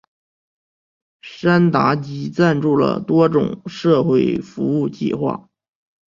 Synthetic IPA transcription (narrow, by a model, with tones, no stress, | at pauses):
ʂa˥nt̪a˧˥t͡ɕi˧˥t͡sa˥˧nʈ͡ʂu˥˩lə̰˩t̪wɔ˥ʈ͡ʂʊ̰˨˩ŋʂɤ˥˧xwe˥˩ɪfu˧˥u˥˧t͡ɕḭ˥˧xwa̰˥˩